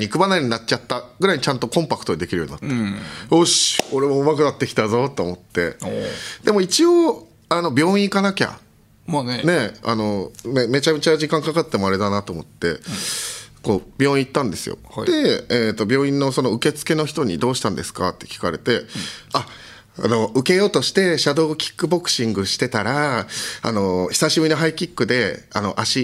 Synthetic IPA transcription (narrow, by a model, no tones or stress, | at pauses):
ɲʲikɯ̟banaɾʲiɲ̟inatt͡ɕat̪ːaɡ̥ɯ̟ɾaiɲ̟it͡ɕãnt̪o̞kõ̞mpakɯ̟t̪oid̪ekʲiɾɯ̟joɲ̟ḭnat̪ːoɕo̞ɾe̞βoɯ̟makɯ̟nat̪ːe̞kʲi̥t̪azo̞t̪ːo̞ːmo̞t̪ːe̞ | d̪e̞mo̞it͡ɕio | ano̞bʲo̞ːĩikanakʲa̰ | ne̞a̰no̞meme̞t͡ɕamet͡ɕaʑikãŋkakat̪ːe̞moaɾe̞d̪anat̪o̞ːmo̞t̪ːe̞ | ko̞ːbʲo̞ːĩit̪ːãnd̪e̞sɨ̰jo̰d̪e̞t̪o̞bʲjo̞ːĩnːoso̞noɯ̟ke̞t͡sɨ̥ke̞no̞çi̥t̪o̞ɲ̟ḭd̪o̞ːɕi̥t̪ãnd̪e̞sɨ̥kat̪ːe̞̥kʲi̥kaɾe̞̰t̪e̞a | a̰no̞ɯ̟ke̞jo̞ːt̪o̞ɕi̥t̪e̞ɕad̪o̞ːkʲi̥kːɯ̟bo̞kɯ̟̥ɕĩŋɡɯ̟ɕi̥t̪e̞t̪aɾaa̰no̞çi̥saɕibɯino̞ɦaikʲikːɯ̟d̪e̞a̰no̞ʔaɕi